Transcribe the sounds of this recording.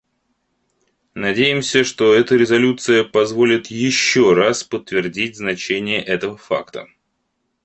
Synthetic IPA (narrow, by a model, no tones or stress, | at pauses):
nɐdʲejɪmsʲəʂt̪o̞ɛt̪əɾʲɪzɐlʲut̪sɨjəpɐzvo̞lʲɪt̪jɪɕːoraspət̪ːvʲɪrdʲit̚ʲznɐt͡ɕenʲɪjəʔɛt̪əvəfa̰kt̪ə̰